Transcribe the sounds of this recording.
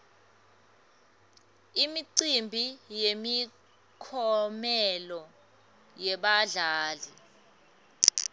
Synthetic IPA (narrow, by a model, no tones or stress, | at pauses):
imiǀimbʱijemi | kʰɔmɛlɔ | jɛɓaɮaːli